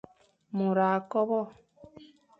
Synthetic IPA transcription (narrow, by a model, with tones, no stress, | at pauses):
mo˨ɾa˨kɔ˦βɔ˦˨